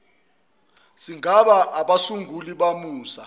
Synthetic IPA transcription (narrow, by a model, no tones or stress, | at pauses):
siŋʱaɓaʔːɓasuŋʱuliɓamuːsa